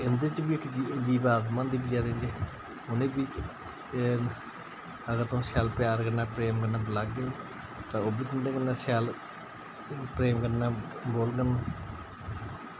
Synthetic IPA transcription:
ɪnd̪eːt͡ʃbiːɪkd͡ʒd͡ʒiːbaːt̪mãːnd̪iːbid͡ʒaːɾend͡ʒeː | ʊnẽːbiːt͡ʃ | əɡəɾt̪õːsaːlpjaːɾkənːaːpɾeːmkənːaːbəlaːɡeː | t̪ãːoːbiːt̪ɪnd̪ẽːkənːãːsaːl | pɾeːmkəɾnːãːboːlɡənːaː

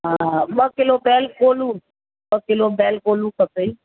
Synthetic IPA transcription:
abɔkelobɛlkolu | ɓɔkelobɛlkolukəpei

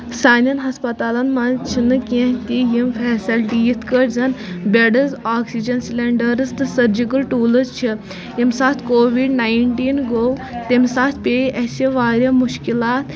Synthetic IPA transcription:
saːnɐnɦɐspɐt̪aːlɐnmɐnt͡ʃʰinɨkʲẽɦt̪ijimfɛːsɐlʈijit̪ʰkəʈzɐnbʲeɖəzaːksid͡ʒɐnsileɳɖəɾɨst̪ɨsɐɾd͡ʒikəlʈuːləzt͡ʃʰi | imsaːt̪ʰkoːʋiɖnaːjiɳʈiːnɡowt̪emsaːt̪ʰpʲeʔɐseʋaːɾʲjamuʃkilaːt̪

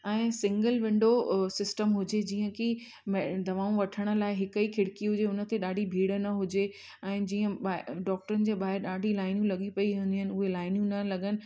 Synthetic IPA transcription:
ɛ̃ːsɪ̃ŋɡəlʋɪ̃ɳɖosɪsʈəmɦʊd͡ʑed͡ʑiːə̃ki | md̪ɐʋaːũʋɐʈʰəɽ̃ə̆laːɪɦɪkəikʰɪɽkiɦʊd͡ʑeʊnə̆t̪eɗaːɖʱibʱiːɽənɐɦʊd͡ʑe | ɛ̃ːd͡ʑiːə̃ɓaɖɔːk̚ʈəɾənɪ̆d͡ʑeːɓaːɦɪɾɗaːɖʱilaːɪnjũlɐɠipɐiɦẽnd̪iaɦɪnɪ̆ʊɦelaːɪnjũnɐlɐɡənɪ̆

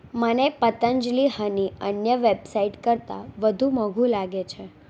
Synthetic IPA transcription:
mənepət̪əɲd͡ʒliɦəniənjəʋebsaiʈkəɾt̪a̰ʋəd̪ʱũməɡʱũlaɡet͡ʃʰe

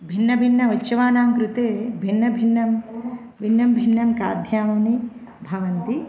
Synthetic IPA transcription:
bʱinːɐbʱinːɐʋɐt͡ʃːʃɐʋaːnaːŋkɾut̪eːbʱinːɐbʱinːɐm | bʱinːɐmbʱinːɐmkaːd̪ʱjaːmɐːni | bʱɐʋɐnt̪i

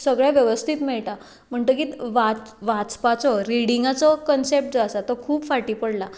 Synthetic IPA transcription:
səɡɭjaʋjəʋəst̪ʰiːt̪mɛɭʈ̪a | m̤əɳt̪əkiːt̪ʋaʋat͡spat͡sɔɾiɽiŋɡat͡sɔkənsep̚ʈ̚d͡zasat̪ɔkʰuːpfaʈiːpəɽla

